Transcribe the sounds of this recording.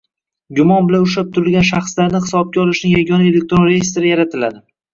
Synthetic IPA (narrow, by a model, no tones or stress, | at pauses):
ɡʊmɒnbɪlanʊʃ̬ap̚t̪ʰʊɾɪlˠɡʲanʃaχslaɾnɪhɪ̥sɒb̚ɡʲaɒlˠɪʃnɪŋjaɡʲɒnae̞le̞k̚ʲt̪ɾonɾejɪst̪ɾɪjaɾat̪ʰɪlad̪ɪ